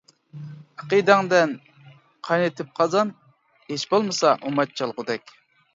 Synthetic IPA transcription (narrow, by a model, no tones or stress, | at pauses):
ɑqid̪æŋd̪ɛn | qʰɑjnet̪ʰɪp̚qʰɑzɑn | het͡ʃbolˠmɨsɑʔumɑt̪̚t͡ʃʰɑlˠʁʊd̪ɛkʲ